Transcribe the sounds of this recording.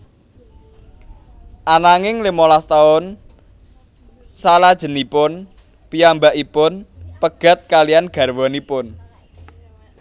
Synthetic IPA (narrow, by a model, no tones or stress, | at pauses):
ʔanaŋɪŋlimolast̪aʊn | salad̥ʒ̥ə̤nipʊn | piambaʔipʊnpəɡ̥a̤t̪̚kalianɡ̥ä̤rwɔnipʊn